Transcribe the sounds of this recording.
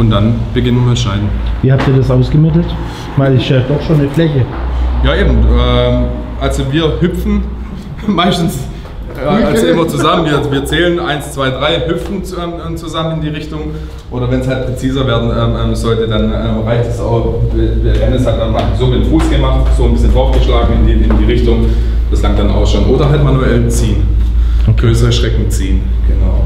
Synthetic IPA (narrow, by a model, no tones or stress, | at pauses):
ʔʊntd̥anb̥əɡɪnːmɛnʃaɪdn̩viːhap̚tiːɐdasʔaʊsɡ̥əmɪtl̩t | maɪlɪsjaːdɔχʃoːnːəflɛçəjaːʔeːbm̩ɛmʔalzoviːɐhʏpfn̩ | maɪstn̩s | alzoʔɪmɐt͡suzamənviːɐviːɐt͡sɛːlənʔaɪnst͡sv̥aɪdʁaɪɦʏp͡fn̩ɛːmɛt͡suzamənɪndiːʁɪçtʊŋ | ʔoːdɐvɛnshalt̚pʁ̥et͡siːzɐveːɐdn̩ʔɛːmʔɛːmsz̥ɔltədanʔɛːmʁaɪçtɛsa̰ʊxɛdɛɐʔɛnəshat̚d̥anmaz̥oːbiːnfuːsɡ̥əmaχtz̥oːnbɪsçənfɔfɡəʃlaːɡŋ̩ɪndiːɪndiːʁɪçtʊŋ | d̥ɪslaŋd̥ana̰ʊsʃoːnʔoːdɐɦaltmanuɛlənt͡siːən | ɡ̥ʁøːsəʁəʃʁ̥ɛkŋ̩t͡siːən | ɡ̥ənaʊ